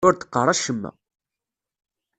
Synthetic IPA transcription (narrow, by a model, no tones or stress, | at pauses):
ʊɾt̪ə̥qːərˤɑʃəmːæ̰